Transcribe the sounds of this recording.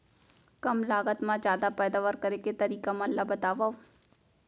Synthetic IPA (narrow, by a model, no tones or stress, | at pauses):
kɐmlaːɡət̪mãzjaːd̪apɛːd̪aːʋaɾkɐɾeket̪ɐɾiːkamãlːabɐt̪aːʋao